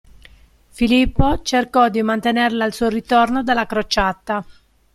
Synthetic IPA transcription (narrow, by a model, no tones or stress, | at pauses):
filipːot͡ʃerkɔd̪imant̪enerlalsuːorit̪ornod̪alːakɾot͡ʃat̪ːa